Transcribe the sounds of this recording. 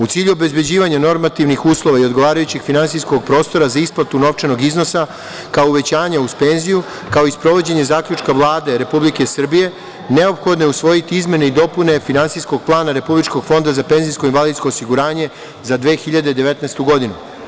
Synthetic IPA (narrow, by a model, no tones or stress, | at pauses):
ut̪siːʎuobe̞zbed͡ʑiːʋaɲano̞ɾmat̪iʋnixuːslˠo̞ʋaio̞d̪ɡoʋaːɾajut͡ɕiɡfinantsisko̞ɡ̚pɾo̞ːst̪o̞ɾazaisplˠat̪uno̞ʋt͡ʃeno̞ɡizno̞sa | kaouʋe̞t͡ɕaːɲauspe̞nziju | kao̞ispɾo̞ʋo̞d͡ʑe̞ɲe̞zaːklʎut͡ʃkaʋlˠaːd̪e̞ɾe̞publike̞sr̩bije̞ | ne̞o̞pxo̞d̪nojeusʋo̞jit̪iizmʲje̞ne̞id̪o̞pune̞finansijsko̞ɡ̥̚plˠaːnaɾe̞publit͡ʃko̞ɡ̥fo̞nd̪azape̞nzijsko̞inʋalid̪skoosiɡuɾaːɲe̞ | zad̪ʋe̞ːxiʎad̪ed̪e̞ʋe̞t̪nɛst̪uɡo̞d̪inu